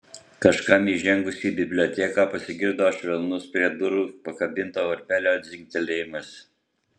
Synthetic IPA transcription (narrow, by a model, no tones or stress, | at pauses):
kɐʃkɐmiʒʲɛŋɡʊsʲiːbʲɪbʲlʲoːt̪ʲɛkɑːpɐsʲɪɡʲɪɾd̪oːʃʲʋʲɛlˠnʊspʲɾʲiɛd̪ʊɾupɐkɐbʲɪnˑt̪oːɔɾʲpʲæːlʲoːɐt̪ʲzʲɪŋʲk̚ʲt̪ʲɛlʲeːjɪmɐs